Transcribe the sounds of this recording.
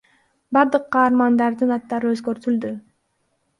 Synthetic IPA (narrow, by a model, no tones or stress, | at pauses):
bɑɾd̪ɯqːɑːɾmɑnd̪ɑɾd̪ɯnɑt̪ːɑɾɯøzɡø̞ɾt̪yld̪y